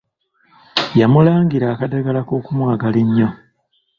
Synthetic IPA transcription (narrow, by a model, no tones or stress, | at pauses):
jamulaːŋɡiɾaːkadaɡalako̞ːkumwaːɡaleɲːo